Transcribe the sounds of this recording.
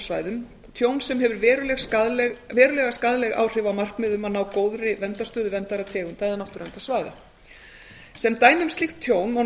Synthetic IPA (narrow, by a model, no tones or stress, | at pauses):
svaːjðʏm | t̪ʰjoːwnsɛmɦɛvʏɾvɛːɾʏlɛɣaðlɛɣvɛːɾʏlɛɣaskaðlɛɣa̰ːwr̥ɪːvamar̥kmɪðʏmaðnaːwkoːwðɾɪvɛnt̪ast̪œːðʏvɛnt̪aɾat̪ʰɛːɣʏmt̪aːjðanawht̪ʏɾɛnt̪asvaːjða̰ | sɛmt̪aːjnʏmst̪lixt̪ʰːjoːwnɔ